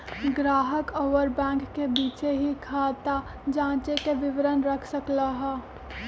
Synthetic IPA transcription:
ɡɾaːɦəkoːʋəɾbɛ̃ːŋkːebiːt͡ʃeɦikʰaːt̪a | d͡ʒãːt͡ʃekeʋɪʋəɾənɾəkʰsəklaɦɛː

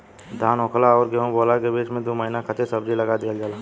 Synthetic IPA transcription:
d̪ʱaːnõːkʰlaɔːɾɡeɦõboːlaɡebeːt͡ʃmẽd̪oːməɦinakʰɐt̪ʰesəbd͡ʒʱilɐɡad̪eəld͡ʒalaː

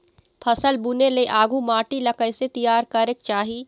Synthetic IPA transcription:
pʰəsəlbuneleʔaːɡumaːʈilɐkəjset̪ijaːɾkɐɾɪk̚t͡ʃaːɦiː

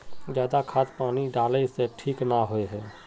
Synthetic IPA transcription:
zjaːd̪akʰaːt̪paːniɖaːleseʈʰiːknaɦoeɦɛː

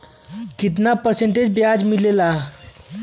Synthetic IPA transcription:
kit̪̬napəɾseɳʈed͡ʑbjad͡zmilela

